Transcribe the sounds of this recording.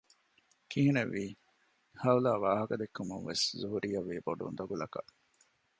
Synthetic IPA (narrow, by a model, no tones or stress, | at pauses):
kiɦinɐʋːiː | hɐulaːʋaːɦɐkɐd̪ekːumunʋeszuɦuɾʔijɐʋːiːboɖṵnd̪ɐɡulɐkɐʔ